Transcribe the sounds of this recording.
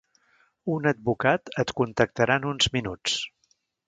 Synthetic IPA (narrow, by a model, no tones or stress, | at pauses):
unəd̪̚bukat̪ət̪kunt̪ək̚t̪əɾanunzminut͡s